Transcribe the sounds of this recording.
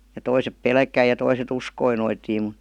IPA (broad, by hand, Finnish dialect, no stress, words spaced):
jɑ toisep pelkæi jɑ toiset uskoi noitiːm mŭt̆